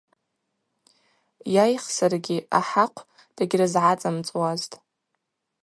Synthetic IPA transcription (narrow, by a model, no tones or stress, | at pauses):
jajχsarɡʲia̰ħaqʷʰ | d̥aɡʲrazʕat͡sʼamt͡sʼwaztʼ